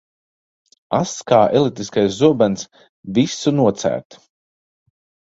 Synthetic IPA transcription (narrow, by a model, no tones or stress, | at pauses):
askaːʔɛlˠit̪ːiskajszuɔbans | visunuɔt̪sæ̰ːɾt̪u̥